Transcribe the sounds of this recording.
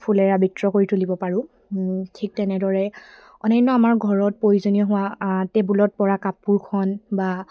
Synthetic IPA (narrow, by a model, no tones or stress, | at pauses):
pʰulɛɹabitɹɔkoɹitʰulibɔpaɹʊ̃ | tʰik̚tɛnɛdɔɹɛ | ɔnɛjnɔamaɹɡʱɔɹɔt̚pɹojuzonijɔɦʊ̃watɛbulɔt̚pɔɹakapːuɹkʰɔnba